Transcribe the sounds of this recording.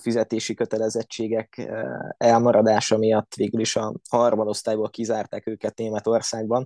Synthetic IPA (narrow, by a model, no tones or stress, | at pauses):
fizɛt̪eːʃikø̞t̪ɛlɛzɛt͡ʃːeːɡɛk | ɛlmɒɾɒd̪aːʃɒmijɒt̪ːʋeːɡyliʃɒhɒrmod̪o̞st̪aːjboːlkizaːrt̪aːkøːkɛt̪̚neːmɛt̪o̞rsaːɡ̚bɒn